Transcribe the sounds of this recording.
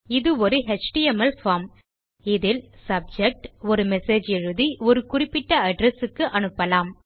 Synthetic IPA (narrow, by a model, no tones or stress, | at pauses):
ɪðɯɔɾɯɦɛt͡ʃʈiɛmɐlfaːm | ɪðɪlsɐb̚d͡ʒɛk̚ʈɔɾɯmɛseːd͡ʒɛɻɯðiɔɾɯkʊrɪpːɪʈːɐɐɖɾɛsɯkːɯʔɐnɯpːɐlaːm